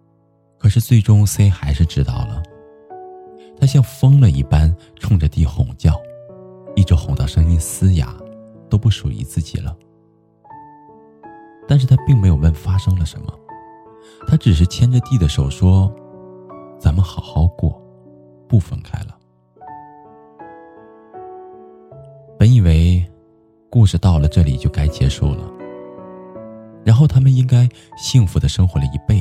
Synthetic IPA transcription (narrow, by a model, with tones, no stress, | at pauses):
kʰɤ˨˩ʂɻ̩˥˧t͡swe˥˩ɪʈ͡ʂʊ˥ŋse˥ɪxa˧˥ɪʂɻ̩˥˩ʈ͡ʂɻ̩˥t̪ɑ̰˥˩ʊlə˩ | t̪ʰa˥ɕ̬jɑ˥˧ŋfɤ˥ŋlwə˥˧˩nḭ˥˩pa˥n | ʈ͡ʂʰʊ˥˧ŋʈ͡ʂə˩t̪i˥˩xʊ̰˨˩ŋt͡ɕjɑ˥˩ʊi˥˩ʈ͡ʂə˥xʊ˨˩ŋt̪jɑ˥˩ʊʂɤ˥ŋi˥nsɹ̩˥ja̰˧˥˦ | t̪o˥ʊpu˥˩ʂṵ˨˩lḭ˧˥t͡sɹ̩˥˩t͡ɕḭ˨˩lə˦ | t̪a˥˧nʂ̬ɻ̩˥˩t̪ʰa˥pi˥˩ŋme˧˥ɪjo˨˩ʊlə˥˩nfa˥ʂɤ˥ŋd̪ə˨ʂə̰˧˥nmə̰˧ | t̪ʰa˥ʈ͡ʂɻ̩˨˩ʂ̬ɻ̩˥˩t͡ɕʰjɛ˥nʈ͡ʂə˧t̪i˥˩d̪ə˩ʂo˨˩ʊʂwɔ˥ | t͡sa˧˥nmə˨nxɑ˨˩ʊxɑ˥ʊkwɔ̰˥˩ | pu˥˩fə˥˩nkʰa˥ɪlə˩ | pə˧˥ni˨˩we˧˥ɪ | ku˥˩ʂɻ̩˥˧t̪ɑ˥˩ʊlə˩ʈ͡ʂɤ˥˩lḭ˨˩t͡ɕjo˥˩ʊka˥ɪt͡ɕjɛ̰˧˥ʂṵ˥˩lə̰˩ | ɻa˧˥nxo˥˩ʊt̪ʰa˥mə˨ni˥ŋka˥ɪ | ɕi˥˩ŋfu˧˥d̪ə˧ʂɤ˥ŋxwɔ˧˥lə˧˩i˧˥pe˥˩ɪ